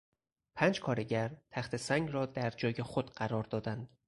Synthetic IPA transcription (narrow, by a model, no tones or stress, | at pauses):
pʰæːnd͡ʒkʰɒːɾe̞ɟæɾt̪ʰæxt̪ʰe̞sæŋɡɾɒːd̪æɾd͡ʒɒːje̞xod̪̥ɢæɾɒːɾd̪ɒːd̪ænd̪̥